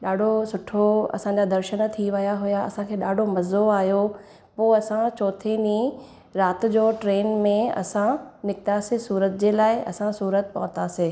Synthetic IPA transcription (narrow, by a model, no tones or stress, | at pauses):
ɗaːɖʱosʊʈʰoɐ̰sãːɲ̆d͡ʑad̪ɐɾʃənt̪ʰiʋɐjaɦʊjaɐ̰sãkʰeːɗaːɖʱomɐzoaːɦjo | poːɐsãt͡ɕɔːt̪ʰenĩ | ɾaːt̪ɪ̆d͡ʑoːʈɾeːnmẽɐ̰sãnɪkt̪asesuːɾət̪d͡ʑeːlaːɪɐ̰sãsuːɾət̪̚pɐɦʊ̃t̪aseː